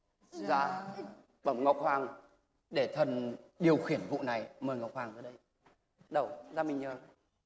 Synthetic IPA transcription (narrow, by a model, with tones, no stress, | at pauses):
zaː˧ | ɓə˨˧˩mŋɔ˨˩wk͡p̚hwaː˨˩ŋ | ɗe˧˩t̪ʰə˨˩nɗi˨˩əwxi˨˧˩ənvṵ˧˨na˨˩jməː˨˩jŋɔ˨˩wk͡p̚haː˨˩ŋzəː˨˩˦ɗə˧j | ɗə˧˩wzaː˧˩mï˨˩ŋ̟ɲəː˨˩